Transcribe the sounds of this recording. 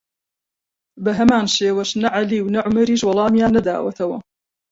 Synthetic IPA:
bɐɦɐmaːnʃeːwɐʃnɐʕaliːwnɐʕʊmɐɾiːʃwɐlˠɑːmjaːnːɐd̪a̰ːwɐt̪ʰɐwɐ

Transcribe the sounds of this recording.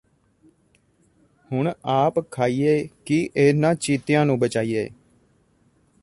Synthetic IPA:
hʊɳaːpkʰaːiːeːkiʔeːnãːt͡ʃiːt̪ɪjãːnũːbət͡ʃaːiːḛː

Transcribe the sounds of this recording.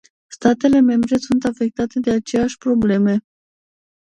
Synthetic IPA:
st̪at̪e̞le̞me̞mbɾe̞sunt̪afe̞k̚t̪at̪e̞d̪e̞at͡ʃe̞jaʃʲpɾo̞ble̞me̞

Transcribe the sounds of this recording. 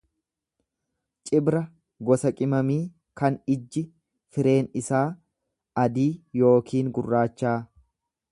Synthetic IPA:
t͡ʃʼɪbɾɐ | ɡɔsɐkʼɪmɐmiː | kɐnɪd͡ʒːɪ | fɪɾe̞ːnɪsaː | ɐd̪iːjo̞ːkʰiːŋɡʊrːaːt͡ʃːaː

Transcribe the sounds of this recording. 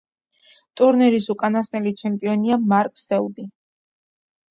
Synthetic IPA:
t̪ʼuɾnɛɾisukʼanasnɛlit͡ʃʰɛmpʼiɔniamaɾkʼsɛld̪i

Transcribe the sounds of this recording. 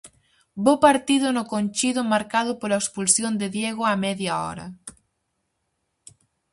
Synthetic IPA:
bopaɾt̪iðʊnʊkonʲt͡ʃiðʊmaɾkaðʊpolɐekspulsjond̪eðjeɣʊamɛðjaɔ̰ɾɐ̰

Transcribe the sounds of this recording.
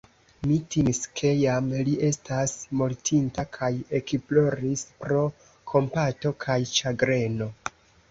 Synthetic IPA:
mitimiskʰe̞jamliʔe̞stasmoɾtʰintakʰaje̞kiplo̞ɾispɾo̞ | kʰo̞mpato̞kʰajt͡ʃaɡɾe̞no̞

